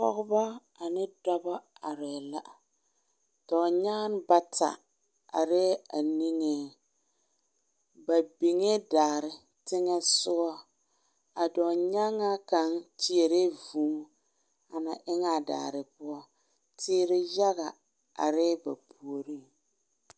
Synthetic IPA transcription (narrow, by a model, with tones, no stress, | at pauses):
pɔ˦ɣʊ˦ba˦ | a˨nɪ˦dɔ˦ba˦a˨ɾɛ˨la˦˨ | tɔ˨ɲaː˦n˦ba˦tʰa̰˨ | a̰˨ɾɪ˦a˨ni˦ŋe˦ | ba˨bi˨ŋe˦daː˨ɾɪ˨ | tɪ˦ŋɛ˦sʊ˦ɔ˦ | a˨dɔ˨ɲa˦ŋa˦ka˨nti˦e˨ɾe˦vuː˨˦m˦ | a˨na˨ʔɪ˦ŋa˦˨da̰ː˨ɾɪ˨pʊ˦ɔ˦ | tʰɪː˦ɾɪ˦ja˦ɣa˨ | a̰˨ɾɪ˦ba˨pʰu˨o˨ɾi˦